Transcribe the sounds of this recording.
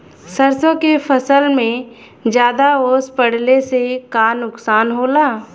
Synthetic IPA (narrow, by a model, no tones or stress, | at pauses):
səɾsõkepʰəsəlmẽ | d͡ʒjaːd̪aoːspəɽ̤lesekaːnʊksaːnɦoːlaː